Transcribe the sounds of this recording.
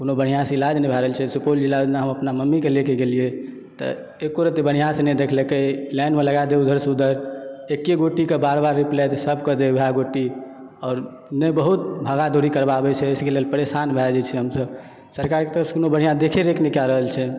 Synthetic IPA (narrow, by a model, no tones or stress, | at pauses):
konobəɽ̤ijaseilad͡ʒnɛbʱɛɾəəlt͡ʃʰɛsupold͡ʒilːad͡ʒ̪naɦəməpnaməmːikelekeɡelije | t̪ɔ̰ | ekoɾət̪ebəɽ̤ijãsened̪ekʰlekelɛnmeləɡad̪eud̪ʱəɾsud̪ʱəɾekːeɡoʈikebaɾbaɾːiplɛt̪səbʱkəd̪ebʱeaɡoʈːi | ɔːɾ | nɛbəɦut̪̚bʱəɡad̪ʱoɾikəɾbabɛt͡ʃʰɛəskelelpəɾesanbʱɛd͡ʒɛt͡ʃʰɛɦəmsəb | səɾkaɾket̪əɾəpse̥konobəɽ̤ijad̪ekʰeɾeknekjaɾəɦəlt͡ʃʰɛ